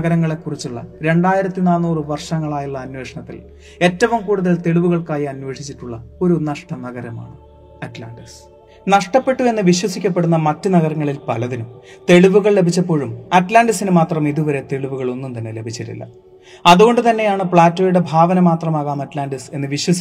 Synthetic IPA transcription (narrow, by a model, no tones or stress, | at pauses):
ɐɣɐɾɐŋːɐɭe̞kːurit͡ɕːuɭːɐ̰ɾe̞ɳɖaːjiɾɐt̪ːinaːnːuːrɨʋɐrʂɐŋːɐɭaːjuɭːɐːnwe̞ːʂɐɳɐt̪ːḭl | e̞tːɐʋumkuːɽuðɐlt̪e̞ɭuʋuɣɐɭkaːjiɐnwe̞ːʂit͡ɕːitːuɭːɐo̞ɾunɐʂʈɐnɐɣɐɾɐma̰ːɳɨ | ɐtla̰ːɳɖɐs | nɐʂʈɐpːe̞ʈːue̞nːɨʋiɕwɐsikʲːɐp̬ːe̞ɽunːɐmɐtːɨnɐɣɐɾɐŋːɐɭilpɐlɐðinumt̪e̞ɭuʋuɣɐɭlebʱit͡ɕːɐpːo̞ːɻumɐtlaːnɖɐsinɨmaːt̪rɐmiðuʋɐɾe̞t̪e̞ɭiʋuɣɐɭo̞nːumt̪ɐnːe̞le̞bʱit͡ɕːiʈːḭlːɐ̰ | ɐðuɣo̞ɳɖɨt̪ɐnːe̞jaːɳɨpɭaːtːoːjuɽe̞bʱaːʋɐnɐmaːt̪rɐmaːɣaːmɐtlaːnɖɐse̞nːɨʋiɕwɐsi